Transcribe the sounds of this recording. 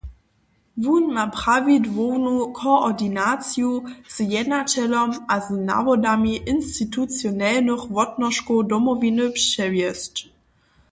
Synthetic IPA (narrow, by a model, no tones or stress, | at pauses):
vunːapʁavidvoːnukʰoɔdinat͡sjuz̥jɛdnatɛlɔmʔazna̰vɔdamiʔɪnstitut͡sjɔnɛlnəχvɔtnɔʃkodɔmɔvinəpʂɛvjɛst